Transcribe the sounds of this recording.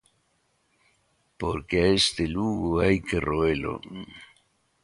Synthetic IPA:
po̞ɾkeest̪eluɡoejkeroelo̞̰

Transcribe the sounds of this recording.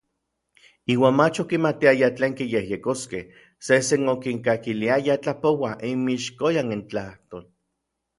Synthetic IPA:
iːwaːnmat͡ʃokimat̪iajat͡ɬeːŋkijehjekoskeh | sesenokiŋkakiliajat͡ɬapowaʔimiʃkojanint͡ɬaht̪oːl

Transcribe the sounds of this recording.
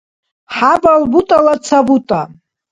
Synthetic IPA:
ħabalbutʼalat͡sʰabutʼa

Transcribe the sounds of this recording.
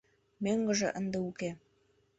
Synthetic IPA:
meŋɡə̆ʒḛ̆ʔənd̪ĕuke

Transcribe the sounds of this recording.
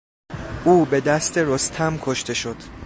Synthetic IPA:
ʔuːbe̞d̪æst̪ʰe̞ɾost̪ʰæmkʰoʃt̪ʰe̞ʃod̪̥

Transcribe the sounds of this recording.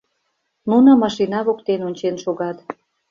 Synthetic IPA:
nunŏmɑʃinɑβokt̪enonʲt͡ɕenʃoɣɑt̪

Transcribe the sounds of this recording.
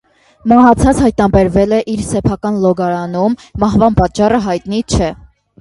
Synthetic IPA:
mɑɦɑt͡sʰɑt͡shɑjt̪nɑbɛɾvɛlɛʔiɾsɛpʰɑkɑnlɔɡɑɾɑnumːɑɦvɑnpɑt͡ʃːɑrəɦɑjt̪nit͡ʃʰɛ

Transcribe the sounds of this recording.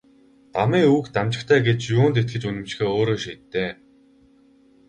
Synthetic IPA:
t̪amiːuːkt̪amt͡ɕɪ̆kt̪ʰæːɡet͡ɕjuːnt̪̬et̪̚ɡɘ̆t͡ɕunɘ̆mt͡ɕ̆xeːoːɾoːʃiːt̪ːeː

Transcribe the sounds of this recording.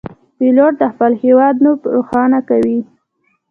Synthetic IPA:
piloʈd̪əxpalhewɑd̪̚nubɾoxɑnakawi

